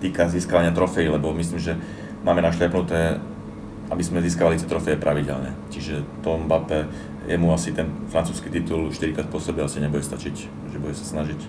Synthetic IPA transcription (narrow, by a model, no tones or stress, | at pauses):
t̪iːkaziːskaʋaɲɪat̪ɾɔfɛjilɛbɔmis̬liːmʒɛ | maːmɛnaʃlapnut̪ɛː | ʔabizmɛziːskaʋalit̪ɛt̪ɾɔfɛjɛpɾʔaʋiɟɛ̰lɲɛ̰ciʒɛt̪ɔmbapɛ | jɛmuasit̪ɛnfɾant͡suːskit̪it̪ulʃt̪iɾikɾaːt̪̚pɔsɛbɛasiɲɛbuɟɛst̪at͡ʃic | ʒɛbuɟɛsḁsnaʒic